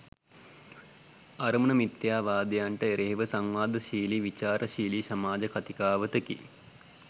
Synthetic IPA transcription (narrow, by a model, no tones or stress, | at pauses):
ɐɾmənəmit̪jaːʋaːd̪jaːɳʈəeɾeɦiʋəsɐŋʋaːd̪əʃiːliʋit͡ʃaːɾʔəʃiːlisɐmaːd͡ʒɐkɐt̪ikaːʋət̪əkḭ